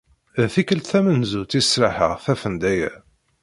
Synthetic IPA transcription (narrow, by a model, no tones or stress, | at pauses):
æθikəlt̪θæmənzut͡s̪isɾaħə̰ʁθæfənd̪æjæ̰